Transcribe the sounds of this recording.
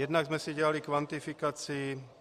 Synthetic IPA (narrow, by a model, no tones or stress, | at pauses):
jɛd̪naɡzmɛsiɟɛalikʋant̪ifikaːt͡siː